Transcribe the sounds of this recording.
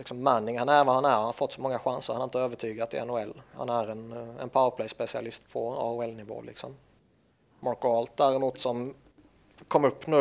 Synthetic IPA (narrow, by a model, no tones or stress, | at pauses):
lɪksɔmːænːɪŋhanæɾvahanæɾhanafɔt̪ːsɔmɔŋːaɧansəɾhanaɾɪnt̪əøːvəʈʰyːɡat̪ʰɪ̰ɛ̰nʊɛlːha̰næɾɛnɛ̰npʰaʊəpʰlɛjspɛsɪa̰lɪst̪pʰɔɑ̰ːʊɛlnɪvo̰ːlɪ̰ksɔ̰m | mɑɾkʊɔlt̪̚d̪æɾɛmuːt̪sɔm | kʰɔmːɵpːnʉ̟